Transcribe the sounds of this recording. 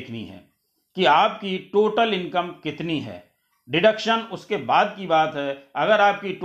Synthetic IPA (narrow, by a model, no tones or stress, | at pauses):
kʰnḭɦɛ̰ː | kiaːp̚kiʈoːʈəlɪ̃nkəmkɪt̪niɦɛ̰ː | ɖɪɖəkʃənʊskebaːd̪̚kibaːt̪ɦɛɐɡəɾaːp̚kiʈ